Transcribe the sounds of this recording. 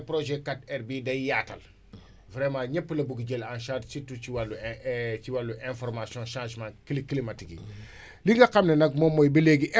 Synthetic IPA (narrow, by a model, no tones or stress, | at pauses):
pɾoʒɛkatɛrbidɐijaːtɐ̰l | vɾɛmãɲɛpːəlɐbuɡiɟelãnʃaːtsitːut͡ʃiwalːut͡ʃiwalːuʔɛ̃nfɔrmasiɔ̃ʃãʒmãkiliklimatikḭ | liŋɡɐqɐmnɛnɐk̚mɔmːɔjbɐleɡiʔɛ